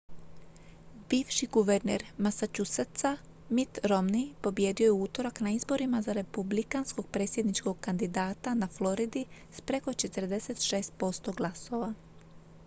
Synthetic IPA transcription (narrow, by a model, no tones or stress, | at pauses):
biːʋʃiɡuʋeɾnḛɾmasat͡ʃusat̪sa | mit̪ɾo̞mnipo̞bjed̪io̞jeuːt̪o̞ɾaknaizbo̞ɾimazaɾe̞publikansko̞ɡ̚pɾe̞ːt̪sje̞d̪nit͡ʃko̞ɡkand̪id̪aːt̪anaflˠo̞ɾid̪ispɾeko̞t͡ʃe̞t̪ɾd̪e̞se̞t̪ʃe̞ːst̪̚po̞st̪o̞ɡlˠaso̞ʋa